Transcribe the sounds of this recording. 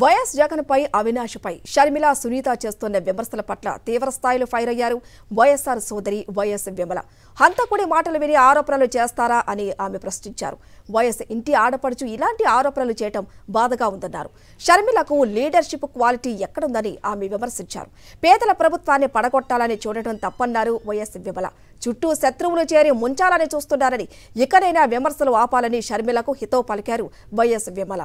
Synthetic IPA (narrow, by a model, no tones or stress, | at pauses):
ʋɐjɐsd͡ʒɐɡɐnɐpɐjʔɐʋʱinaːʂɐpɐjʃɐɾmilasuniːt̪aːt͡ʃe̞ːst̪unːɐʋimɐɾsɐlɐpɐʈlɐ̰t̪iːʋɾɐst̪ʰaːjilupʰɐjɾɐjːaːɾu | ʋɐjesaːɾsɔːd̪ɐɾiʋɐjesʋimɐlɐ̰ | hɐnt̪ɐkuɽimaːʈɐlɐʋiniaːɾɔːpɐnɐlut͡ʃeːst̪aːɾaːʔɐniaːmepɾɐst̪iɲt͡ʃa̰ːɾu | ʋɐjesiɳʈiaːɽɐpɐɽut͡ʃuilaːɳʈiaːɾɔːpɐnɐlut͡ʃɛːjɐʈɐmbaːd̪ɐɡaːund̪ɐnːa̰ːɾu | ʃɐɾmilɐkuliːɖɐɾʂipːkʋaːliʈiːɛkːɐɽund̪ɐniaːmeʋimɐɾsiɲt͡ʃa̰ːɾu | pɛːd̪ɐlɐpɾɐbʱut̪ʋaːnːipɐɽɐɡɔʈːaːlɐnit͡ʃuːɽɐɽɐmt̪ɐpːɐnːaːɾuʋɐjesʋimɐlɐ̰ | t͡ʃuʈːuʃɐt̪ɾuʋulut͡ʃeːɾimuɲt͡ʃaːlɐnit͡ʃuːst̪unːaːɾɐni | ikɐɽɐjnaːʋimɐɾsɐluaːpaːlɐniʃɐɾmilɐkuhit̪ɐwpɐlikaːɾu | ʋɐjesʋimɐlɐ̰